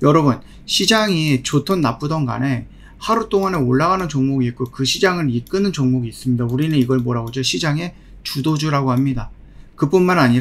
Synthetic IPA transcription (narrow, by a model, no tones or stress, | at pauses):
jʌɾʌbun | ɕʰid͡ʑaŋit͡ɕotʰonːap͈udʌnɡa̰ne̞ | haɾut͈oŋane̞oɭːaɣanɯnt͡ɕoŋmoɡiːt̚k͈okɯɕʰid͡ʑaŋɯɾik͈ɯnɯnt͡ɕoŋmoɡiːs͈ɯmɲidauɾinɯniɡʌɭmoɾaɡod͡ʑoɕʰid͡ʑaŋe̞ | t͡ɕudod͡ʑuɾaɡohamɲida | kɯp͈unmanaɲiɾ